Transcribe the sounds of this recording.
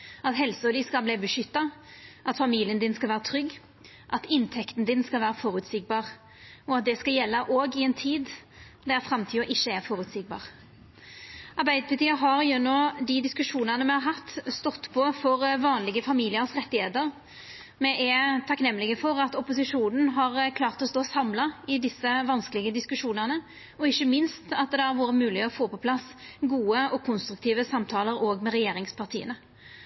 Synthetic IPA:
ɑt̪ɦɛlsəɔd̪ɪskɑlbliːbəʂʏt̪ːɑʔɑt̪fɑmiːlɪənd̪ɪnskɑlʋæːɾʁət̪ʰɾʏɡː | ʔɑt̪ɪnt̪ʰɛkt̪nd̪ɪnskɑlʋæːɾəfɔːʁʉt̪sɪɡ̚bɑːʁ | ɔɑt̪̚d̪ɛskɑljɛlːɑʔoːɡɪɛnt̪ʰiːd̪ | d̪æɾfɾɑmt̪ʰiːəʔɪçːəɛɾfɔːɾʉt̪sɪɡ̚bɑ̰ːʁ | ɑʁbæɪd̪əpʰɑɾt̪iːəɦɑʁjɛnːɔd̪ɪd̪ɪskʉʂuːnənəmɛhɑɾɦɑt̪ːst̪ɔt̪ːpʰɔfɔʁʋɑːnlɪɡəfɑmiːlɪəɾsʁɛt̪ːɪhḛːt̪əʁ | mɛʔɛt̪ʰɑknɛmːlɪɡəfɔʁɑt̪ɔpʊsɪʂuːnn̩ɦɑʁkʰlɑːʁt̪ɔst̪oːsɑmlɑɪd̪ɪsːəʋɑnsklɪɡəd̪ɪskʉʂuːnənə | ɔɪçːəmɪnst̪ɑt̪̚d̪d̪ɛɑɾʋuːɾəmʉːlɪɔfoːpɔpʰlɑsɡuːəɔkʰʊnst̪ɾʉk̚t̪ʰiːʋəsɑmt̪ʰɑːləɾoːɡmɛʁɛjeːɾɪŋspʰɑʁt̪ʰḭːənə

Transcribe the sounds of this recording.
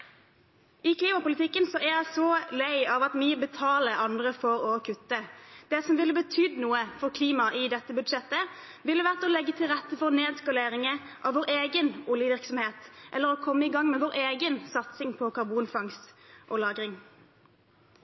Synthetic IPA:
ɪkʰliːmɑpʊlɪt̪ʰɪkːənsɔʔæjæɪsɔlæɪɑʋɑt̪myːəbət̪ʰɑːləʔɑnd̪ʁəfɔʁɔkʰʉt̪ːəd̪̥ɛsɔmʋɪləbət̪ʰyːd̪nuːəfɔʁkʰliːmɑʔɪd̪ɛt̪ːəbʉd̪ʂɛt̪ːə | ʋɪlːəʋæʁt̪ɔlɛɡːət̪ʰɪlʁɛt̪ːəfɔʁneːd̪skɑleːɾɪŋə | ʔɑ̰ʋoːʁeːɡənʊljəʋɪʁksɔmheːt̪ʔɛlːəʁɔkʰɔmːəɪɡɑŋːmɛʋoːʁeːɡənsɑt̪sɪŋpʰɔkʰɑʁbuːnfɑŋst̪ʔɔlɑːɡʁɪŋ

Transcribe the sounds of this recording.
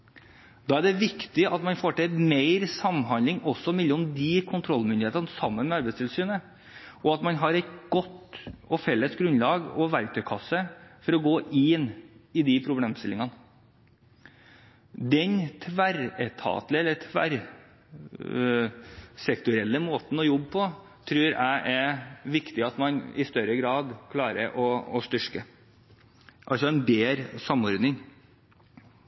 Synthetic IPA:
d̪̥ɑːæɖɛʋɪkt̪ɪʔɑt̪mɑnfoːʈʰɛmeɪɾsɑmɦɑnlɪŋɔsːɔmɪlːəʊmd̪ɪkʰʊnt̪ʰɾɔlːmʏnd̪ɪeːt̪ənəsɑmːənmɛɑɾbɛɪst̪ʰɪlsyːnə | ʔɔɑt̪mɑnɦɑɾɛt̪ɡɔt̪ːɔfɛlːəsɡɾʉnlɑːɡɔ̰ʋæɾk̚t̪ʰœʏkʰɑsːəfɔɾɔɡoːʔɪnɪd̪ɪpʰɾʊbleːmst̪ɪlːɪŋɑn | d̪ɛnt̪ʰʋæɾɛt̪ʰɑ̰ːt̪lɪɛlːət̪ʰʋæ̰ɾ | sɛkt̪ʊɾɛlːəmoːt̪n̩ɔjɔbːpʰɔ | t̪ʰɾʉːɾæ̰ɪʔɛɾʋɪkt̪ɪɑt̪mɑnɪ̰st̪œɾəɡɾɑːd̪kʰlɑːɾə̰ɾʔɔɔst̪ʏʂkə | ʔɑlsɔɛnd̪eːɾsɑmːɔɾd̪nɪŋ

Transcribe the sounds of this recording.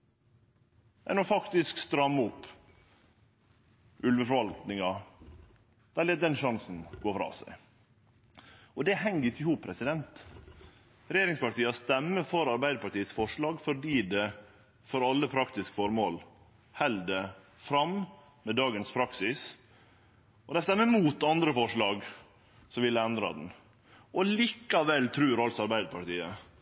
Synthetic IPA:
mɛ̰nɔfɑkt̪ɪskst̪ɾɑmːʊpː | ʔʉlʋəfɔɾʋɑlt̪nɪŋɑ | d̪̥ɑːlɛːt̪̚d̪ɛnʂɑŋsn̩ɡ̥oːfɾɑ̰ːsæ̰ɪ | ɔd̪ɛhɛŋəɾɪkəhuːppʰɾɛsɪd̪ɛnt̪ | ɾɛjeːɾɪŋspɑʈiːst̪ɛmːəfɔɾɑɾbæɪd̪əpɑʈiːət̪sfɔʂɭɑːɡfɔɖiːd̪ɛ | fɔɾɑlːəpʰɾɑkt̪ɪskə̥fɔɾmoːl | hɛld̪ə | fɾɑm | mɛd̪ɑːɡənspʰɾɑksɪs | ʔɔd̪ɛst̪ɛmːəmuːt̪ɑnd̪ɾəfɔʂɭɑːɡ | sɔʋɪlːəɛnd̪ɾɑ̰d̪n̩ | ʔɔliːkɑʋɛlːt̪ʰɾʉːɾɑlsɔɑɾbæɪd̪əpʰɑʈiːə

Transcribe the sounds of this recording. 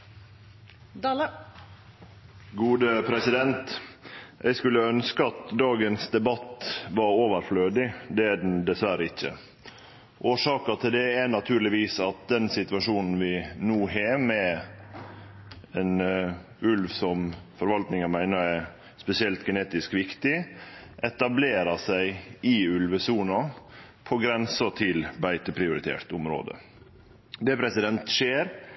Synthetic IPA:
ɡuːd̪əpʰɾɛsɪd̪ɛnt̪ | ʔɛɪskʉlːəœnskəɑt̪d̪ɑːɡənsd̪ɛbɑt̪ːʋɑɾoːʋəɾfløːd̪ɪd̪ɛæd̪nd̪ɛsʋæɾəɪçːə̰ | ʔoːʂɑːkət̪ʰɪld̪ɛænɑt̪ʰʉːɾlɪʋiːsɑt̪̚d̪ɛnsɪt̪ʉʋɑʂuːnn̩ʋɪnuːheːmɛ | ɛn | ʉlʋsɔmfɔɾʋɑlt̪nɪŋənmæɪnəɾæɾ | spɛsɪɛlt̪ɡɛneːt̪ɪskʋɪkt̪ɪʔɛt̪ɑbleːɾɑsæɪʔɪʉlʋəsuːnɑ | pʰɔɡɾɛnsət̪ʰɪlbæɪt̪əpʰɾɪʊɾɪt̪ʰḛːɾt̪ʊmɾo̰ːd̪ə̰ | d̪ɛpʰɾɛsɪd̪ɛnt̪ʃeːɾ

